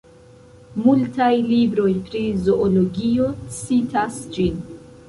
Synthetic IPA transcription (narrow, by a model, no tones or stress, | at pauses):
multajlibɾo̞jpɾizo̞ʔoloɡio̞sitasd͡ʒin